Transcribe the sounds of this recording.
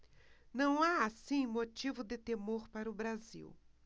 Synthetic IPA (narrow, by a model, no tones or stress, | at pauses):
nɐ̃w̃aasĩmot͡ʃivʊd̪ɪt̪emoɾpaɾʊbɾazḭw